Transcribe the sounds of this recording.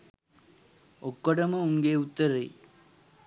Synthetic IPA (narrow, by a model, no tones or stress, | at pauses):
okːoʈɐmɐuŋɡeut̪ːɐɾḛj